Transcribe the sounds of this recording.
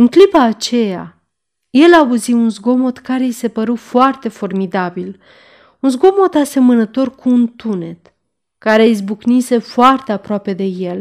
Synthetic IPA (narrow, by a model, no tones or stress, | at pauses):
ɨŋklipaːt͡ʃe̞ja̰ | je̞lauziunzɡo̞mo̞t̪kaɾe̞jise̞pəɾufoart̪e̞fo̞rmid̪abil | unzɡo̞mo̞t̪ase̞mənət̪o̞rkuːnt̪une̞t̪ | kaɾe̞izbuknise̞foart̪eapɾoape̞d̪e̞je̞l